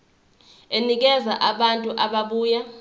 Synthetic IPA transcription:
enik̬ɛvaʔaɓantʼuʔaɓaɓuːja

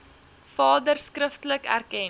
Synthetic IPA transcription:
fɑːdərskrəftələkæ̰rkɛn

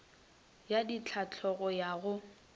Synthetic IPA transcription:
jadit͡ɬʰat͡ɬʰɔɣɔjaɣʊ

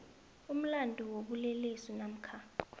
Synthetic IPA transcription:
um̩landʱuwoɓulɛlesinam̩kʰa

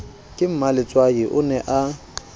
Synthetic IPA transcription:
kʼɪm̩malɪt͡sʼwaɪʔʊnɛʔa

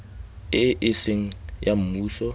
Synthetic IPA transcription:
ɪʔɪsɪŋ̩jam̩muːsɔ

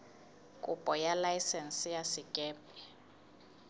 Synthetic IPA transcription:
kʼupʼɔjalajsɛnsijasɪkʼɛːpʼɛ

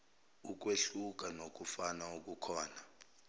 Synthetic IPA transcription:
uk̬weɬuk̬ʼanok̬ʼufanauk̬ʼukʰɔːna

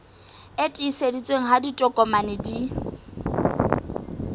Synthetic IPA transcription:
etʼiːsedit͡sʼweŋ̩ɦaditʼɔkʼɔmanɪdi

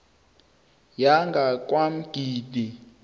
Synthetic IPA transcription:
jaŋɡʱak̬ʼwam̩ɡ̥ʱiːdi

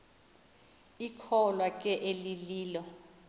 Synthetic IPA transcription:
ikʰɔlwakʼɛʔeliliːlɔ

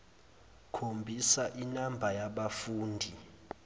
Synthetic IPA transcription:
kʰombʱisaʔinambʱajaɓafuːndʱi

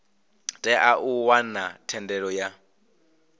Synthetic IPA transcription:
tʼɛʔaʔuwanatʰɛndɛɺɔja

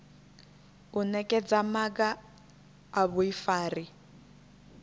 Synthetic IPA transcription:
unɛkʼɛd͡zamakaː | βuifaːri

